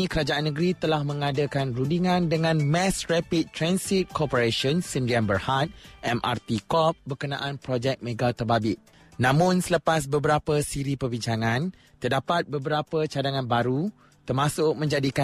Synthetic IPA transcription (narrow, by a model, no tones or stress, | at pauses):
ĩkəɾad͡ʒaʔanːə̃ɡɾit̪əlahmə̃ŋadakanrundiŋãndəŋãnmɛ̃srɛpit̪̚t̪ːɾansit̪̚kɔpəɾeʃɔnsindianbərhat̪̚ʔɛmʔa̰rt̪ikɔp̚bərkənã̰ʔanpɾɔd͡ʒɛk̚mẽɡat̪ərbabɪʔ̪̚ | nãmʊ̃nsələpas̬bəbəɾapəsiɾipərbiɲt͡ʃaŋãn | t̪ərdapat̪̚bəbəɾapət͡ʃadaŋãnbaɾu | t̪ərmãsʊk̚mə̃ɲd͡ʒadika